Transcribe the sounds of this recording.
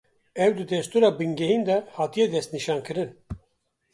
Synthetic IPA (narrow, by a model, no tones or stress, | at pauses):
ɛwd̪ɨd̪ɛst̪uɾɑːbɨŋɡɛɦind̪ɛhɑːt̪ijɛd̪ɛst̪niʃɑːnkʰɨɾɨn